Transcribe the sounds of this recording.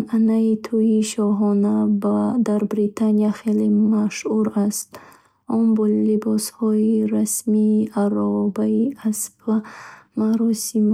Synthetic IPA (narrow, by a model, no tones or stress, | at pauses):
anait̪ʰujiʃɔɦɔnabd̪aɾbɾit̪ʰanijaχelemaʃhuɾast̪ | ɔnbɔlibɔshɔiɾasmiːʔaɾɔbaiasbamaɾɔsim